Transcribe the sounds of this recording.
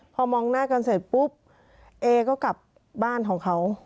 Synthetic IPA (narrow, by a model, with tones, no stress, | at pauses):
pʰɔː˧mɔː˧ŋnaː˥˩ka˧nseː˨˩t̪̚pu˦˥p̚ | ʔeː˧kɔː˥˩ka˨˩p̚ | baː˥˩nkʰɔː˩˦ŋkʰa˦˥w